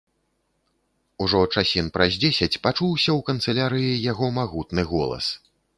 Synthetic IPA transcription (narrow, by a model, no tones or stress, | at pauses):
uʐɔt͡ʂasʲinpɾɐzʲd͡zʲesʲɐt͡sʲpat͡ʂuwsʲɐwkɐnt̪sɛlʲaɾɨjijaɣɔmaɣut̪nɨɣɔlˠɐ̰s